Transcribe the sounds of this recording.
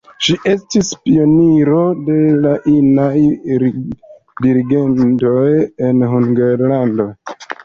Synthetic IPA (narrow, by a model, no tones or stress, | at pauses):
ʃiʔe̞stispio̞niɾo̞de̞laʔinaj | diɾiɡe̞nto̞je̞nɦuŋɡeɾlando̞